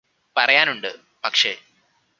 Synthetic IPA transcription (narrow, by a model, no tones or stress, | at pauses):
pɐrɐjaːnuɳɖɨ | pɐkʂe̞̰